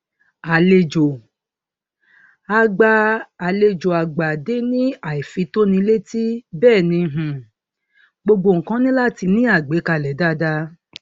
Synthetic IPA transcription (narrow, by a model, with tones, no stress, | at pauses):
a˨le˧d͡ʒo˨ | a˧ɡ͡ba˧a˨le˧d͡ʒo˨a˨ɡ͡ba˨de˨˦nĩ˦a˨i˨fi˧˦to˦nĩ˧˦le˦ti˦bɛː˦˨nĩ˧ɦũ˨ | ɡ͡bo˧ɡ͡bo˧˨ŋ̩˨kã˦nĩ˦la˦ti˧nĩ˦a˦˨ɡ͡be˨˦ka˧˨lɛ˨˦da˦da˦